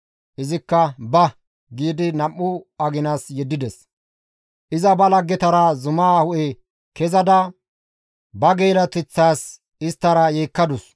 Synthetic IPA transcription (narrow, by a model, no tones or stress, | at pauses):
ʔɪzɪkːɐbɐ | ɡiːd̪ɪnɐmːʊɐɡɪnaːsjɛd̪ːɪd̪ɛs | ʔɪzɐbɐlɐɡːɛt̪ɐɾazʊmaːhʊʔɛ | kɛzɐd̪ɐ | bɐɡeːlɐt̪ɪt͡sːaːs | ɪst̪ːɐɾɐjeːkːɐd̪ʊs